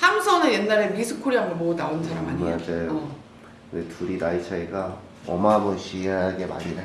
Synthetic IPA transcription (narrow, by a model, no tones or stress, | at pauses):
sʰamsʰʌnɯjenːaɾemisʰɯkʰoɾiɦambomonaonsʰaɾamɦaɲadejo | kɯndetʰuɾidait͡ɕʰaiɡa | ʌmaboɕʰiaɡe̞ma̰ɲina